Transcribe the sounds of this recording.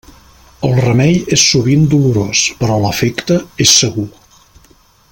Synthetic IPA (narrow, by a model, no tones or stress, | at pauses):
əlˠrəmɛjesːuβind̪uluɾospəɾɔləfɛkt̪əesːəɣu